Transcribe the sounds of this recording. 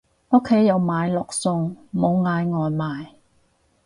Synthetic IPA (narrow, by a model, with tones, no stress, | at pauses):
ʊ˥kʰːe˨˥jːɐ˨˧wmaː˨˧jlɔː˨k̚sʊ˧ŋmo˨˧wŋaː˨˧jŋɔː˨jmaː˨˧j